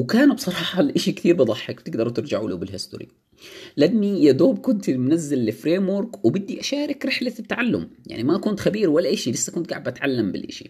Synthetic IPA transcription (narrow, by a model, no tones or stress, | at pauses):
wkaːnbsˤɑɾˤɑːħɑlʔaʃikt̪iːɾbɨd̪ˤɑħːɪkb̥̚t̪ɪɡd̪ɑɾˤwt̪ɪɾd͡ʒaʕlṵbɪlhɪst̪ʊ̰ɾḭ | lʔannːijad̪oːb̚kʊnt̪mʊnazːalːɪfɾeːmwʊɾkwɪbɪd̪ːiʔaʃaːɾɪkɾɪħlaɪt̪ːaʕalːʊ̰mja̰ʕnimaʔkuːnt̪xabiːɾwalːaʔɪʃilɪsːʔakunt̪ɡaʕɪbʔat̪ʕalːambɪ̰lʔa̰ʃi̥̰